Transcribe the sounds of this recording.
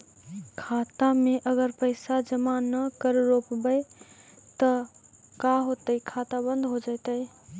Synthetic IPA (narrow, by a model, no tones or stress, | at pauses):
kʰat̪ameʔəɡəɾpəɪsad͡ʒəmanəkəɾɾopbəɪ | t̪əkaɦot̪əikʰat̪abə̃nd̪ʱɦod͡ʒaɪt̪əj